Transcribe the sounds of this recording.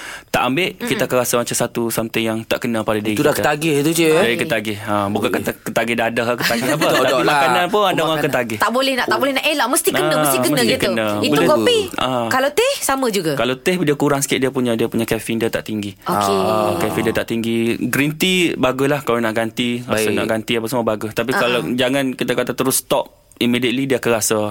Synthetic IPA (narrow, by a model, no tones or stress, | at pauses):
t̪a̰ʔambɪʔkit̪aːkanɾasamat͡ʃamsat̪usamt̪ɪŋjaŋt̪a̰ʔkənə̃padadiudakət̪aɡɪht̪ud͡ʒuikəaɡɪhabukankat̪akət̪aɡɪhdadəɦakət̪aɡapət̪aimakanãnpʊnadaakət̪aɡɪht̪aʔbolɛhnaʔt̪aʔbolɛhnaʔelaʔməst̪inkəə̃əsikəmsnəɡ̪ikənə̃itboulɛkopiʔakalot̪ɪhsamə̃d͡ʒuɡakalawt̪ɛhdiakuɾaŋsə̥kɪʔdiapuɲadiapuɲakɛfɪndiat̪a̰ʔt̪iŋɡiokeakɛfindiat̪aʔt̪iŋɡiɡɾint̪ibaɡʊslahkalanaʔɡant̪isana̰ʔɡant̪iap̬asəmubaɡʊst̪apikalad͡ʒaŋankit̪akat̪at̪əɾʊst̪ɔp̚ | imidiət̪̚lidiakanɾasa